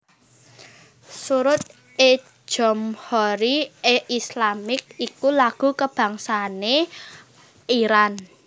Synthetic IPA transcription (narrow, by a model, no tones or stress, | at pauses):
suɾʊt̪̚ | e̥ | ʒ̥ɔ̤mhɔɾieʔislamɪk̚ikulaɡ̥ṳkəb̥ä̤ŋsane | iɾan